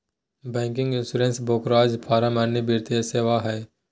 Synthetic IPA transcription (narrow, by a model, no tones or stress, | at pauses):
bɛ̃ːŋkɪ̃ŋɡɪ̃nsʊɾẽnsboːkɾaːd͡ʒpʰaːɾamanebiːɾt̪jaseːʋaɦɛː